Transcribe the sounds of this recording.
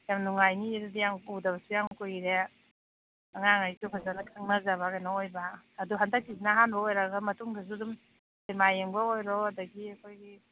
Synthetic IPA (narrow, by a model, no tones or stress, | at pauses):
jamnuŋajniːɾadijaŋuwdaβɐsujaŋkujɾe | aŋaŋajsupʰazanakʰɯŋnazaβakajnaojbaːduɦandak̚ːizinaɦanbaojɾaɡamɐtuŋdas̬udum | semajeŋbaojɾɔɐdɐɡiɐkʰojɡi